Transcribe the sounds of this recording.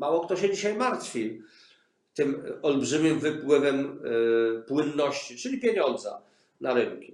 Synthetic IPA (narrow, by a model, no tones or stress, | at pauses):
mawɔkt̪ɔɕɛd͡ʑiɕajmaɾt̪fʲi | t̪ɘmɔlbʐɘmʲɘmvɘpwɘvɛm | pwɘnːɔɕt͡ɕit͡ʂɘlʲipʲjeɲɔnd̪za̰ | naɾɘŋkʲi̥